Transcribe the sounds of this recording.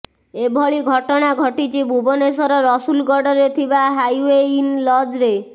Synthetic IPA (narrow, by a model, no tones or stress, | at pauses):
ebʱɔɭiɡʱɔʈɔɽ̃aɡʱɔʈit͡ʃʰibʱubonesɔɾɔɾɔsulɡɔɖɔɾet̪ʰibaɦajeinlɔd͡ʒɾe